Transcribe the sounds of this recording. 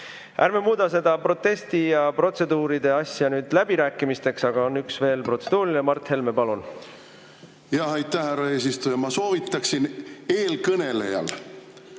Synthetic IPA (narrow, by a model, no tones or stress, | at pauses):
ʔæ̰ɾmemuːd̪̥ɑse̞d̪̥ɑpro̞t̪ːe̞st̪ijɑpro̞t̪se̞d̪uːɾid̪e̞ɑsʲjɑnyːd̪̥læbiɾæːkːˑimist̪e̞ksɑɡ̥ɑonːyksve̞ːlpro̞t̪se̞d̪̥uːɾinemɑrt̪he̞lmepɑlun | jɑɦɑjt̪ːˑæhhærɑeːsist̪ujɑmɑsoːvit̪ːˑɑksine̞ːlkɤne̞lḛjɑ̰l